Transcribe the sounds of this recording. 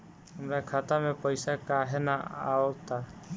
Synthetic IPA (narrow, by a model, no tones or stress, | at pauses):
ɦəmɾakʰaːt̪amẽpəɪsakaɦenaa̰ːot̪aː